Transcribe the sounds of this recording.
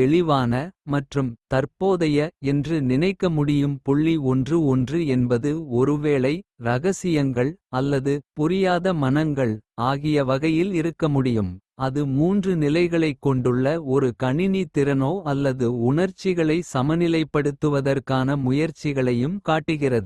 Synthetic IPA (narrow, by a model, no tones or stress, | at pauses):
ɛɭɪʋaːnɐmɐʈrɯmt̪ɐɾpoːðɐjɐɛndrɯnɪnɐɪkːɐmʊɽɪjɯmpʊɭːiɔndrɯɔndrɯɛnbɐðɯɔɾɯʋeːɭɐɪɾɐɣɐsɪjɐŋɡɐɭɐlːɐðɯpʊɾɪjaːðɐmɐnɐŋɡɐɭaːɣɪjɐʋɐɣɐjɪlɪɾɯkːɐmʊɽɪjɯm | ɐðɯmuːndrɯnɪlɐɪɣɐɭɐɪkːɔɳɖɯɭːɐɔɾɯkɐɳɪnit̪ɪɾɐnoːɐlːɐðɯʊɳɐɾt͡ʃːɪɣɐɭɐɪsɐmɐnɪlɐɪpːɐɽɯt̪ːɯʋɐðɐrkaːnɐmʊjɐɾt͡ʃːɪɣɐɭɐjɯmkaːʈːɯɣɪrɐðɯ